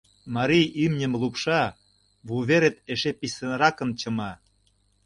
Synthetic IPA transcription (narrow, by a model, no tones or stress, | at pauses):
mɑɾijymnʲə̆mlˠupʃɑ | βuβeɾet̪eʃepisĕnɾɑkə̆nt͡ɕɤ̆mɑ